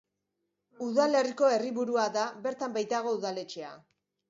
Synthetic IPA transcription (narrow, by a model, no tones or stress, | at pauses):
uðale̞riko̞e̞riβuɾuaðaβe̞ɾt̪ambajt̪aɣ̞o̞uðale̞t͡ʃe̞a̰